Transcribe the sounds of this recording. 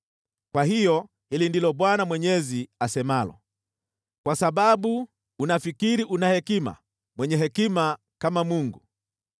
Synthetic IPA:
kwahijɔ | hilindilɔɓwanamwɛɲɛziasɛmalɔ̰ | kwasaɓaɓuː | nafikiɾiʔunahɛkima̰ | mwɛɲɛɦɛkima | kamamuŋɡu

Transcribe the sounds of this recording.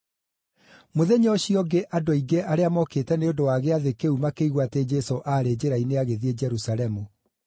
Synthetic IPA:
moðeɲɔɕiɔɡeʔadoiɡeʔaɾeamɔketɛneodowaɣeaðekeumakeiɣwated͡ʑɛsoʔaːɾed͡ʑeɾaineaɣeðied͡ʑɛɾusalɛmu

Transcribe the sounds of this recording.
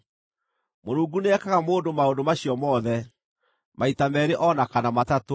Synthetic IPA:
moɾuːŋɡuneɛkaɣamoːndomaondomaɕiɔmɔðɛ | maitamɛɾeʔɔnakanamatato

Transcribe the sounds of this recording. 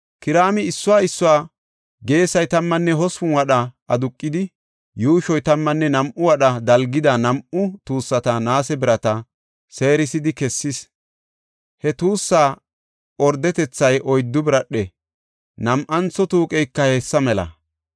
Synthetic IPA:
kɪɾaːmɪɪsːʊwaːɪsːʊwaː | ɡe̞ːsɐjt̪ɐmːɐnːɛɦɔsʊnwɐɗɐʔɐd̪ʊkʼːɪd̪ɪ | juːʃɔjt̪ɐmːɐnːɛnɐmʔʊwɐɗɐd̪ɐlɡɪd̪ɐnɐmʔʊt̪uːsːɐt̪ɐnaːsɛbɪɾɐt̪ɐ | se̞ːɾɪsɪd̪ɪkɛsːɪs | hɛt̪uːsːaː | ɔɾd̪ɛt̪ɛt͡sːɐjʔɔjd̪ːʊbɪɾɐɗɛ | nɐmʔɐnt͡sːɔt̪uːkʼɛjkːɐheːsːɐmɛlɐ̰

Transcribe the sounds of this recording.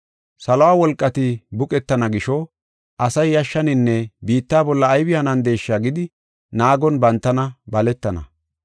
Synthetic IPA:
sɐlɔwaːwɔlkʼːɐt̪ɪbʊkʼɛt̪ːɐnɐɡɪʃɔ | ʔɐsɐjːɐʃːɐnɪnːɛbiːt̪ːaːbɔlːɐːjbɪjanɐnd̪e̞ːʃːaɡɪd̪ɪ | naːɡɔnbɐnt̪ːɐnɐbɐlɛt̪ːɐnɐ̰

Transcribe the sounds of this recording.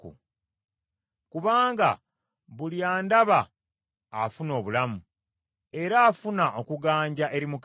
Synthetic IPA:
ṵ | kuβaːŋɡa̰ | βuliaːndaβaː | funo̞ːβulamu | e̞ɾaːfunaʔo̞kuɡaːɲɟaʔe̞ɾimuk

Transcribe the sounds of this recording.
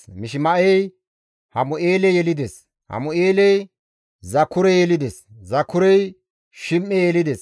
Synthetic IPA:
mɪʃ̬ɪmɐʔɛj | hɐmʊʔeːlɛjɛlɪd̪ɛs | hɐ̰mʊeːlɛj | zɐkːʊɾɛjɛlɪd̪ɛszɐkʰːʊɾɛj | ʃɪmːɛjɛlɪd̪ɛs

